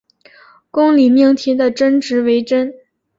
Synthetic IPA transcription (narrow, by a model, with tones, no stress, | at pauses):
kʊ˥ŋli˨˩mi˥˩ŋt̪ʰi˧˥d̪ə˨ʈ͡ʂə˥nʈ͡ʂɻ̩˧˥we˧˥ɪʈ͡ʂə˥n